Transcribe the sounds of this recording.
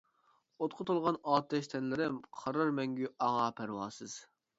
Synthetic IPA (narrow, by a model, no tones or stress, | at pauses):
ot̪̚qʰʊt̪ʊlˠʁɑnɑːt̪ɛʃt̪ʰɛnlɪɾɪmqʰɑɾɑɾmɛŋɡʲyɑŋɑpʰæɾwɑːsɨz̥